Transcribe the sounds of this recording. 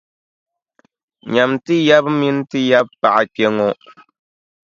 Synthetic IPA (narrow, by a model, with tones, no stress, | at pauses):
ɲa˨mtɨ˦ja˦bmi˦n˦tɨ˦ja˦b̚pa˨ʔa˨k͡pe˦ŋo˦